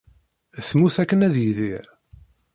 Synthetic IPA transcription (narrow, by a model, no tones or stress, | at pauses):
θmuθækːənæðjiði